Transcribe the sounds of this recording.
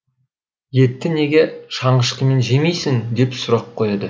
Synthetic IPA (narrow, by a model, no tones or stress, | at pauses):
je̞t̪ːɪne̞ɡʲe̞ʃɑɴəʃqʲəme̞nʒe̞mejsɪŋd̪e̞psʊɾɑqʰːojɑd̪ə